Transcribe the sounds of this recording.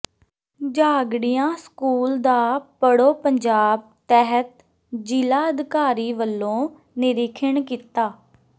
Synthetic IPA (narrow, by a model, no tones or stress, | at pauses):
d͡ʒaːɡɽijãːskuːld̪aːpəɽoːpəɲd͡ʒaːb̚t̪ɛɦət̪̚ | d͡ʒilaːəd̪kaːɾiːʋəlːõː | nɪɾɪkʰəɳkiːt̪aː